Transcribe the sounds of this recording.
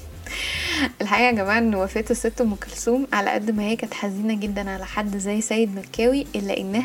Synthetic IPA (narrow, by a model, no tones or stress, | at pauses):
ʔelħaʔiːʔæɡæmæːʕaʔenːowæfeːt̪esːet̪ːomekælsuːmʕalæ̰ʔæ̰d̪ːmæheːkæːt̪ħaziːnæɡed̪ːænʕalæħad̪ːzːæjːsæːjed̪mækːæːwiʔelːæʔenːæ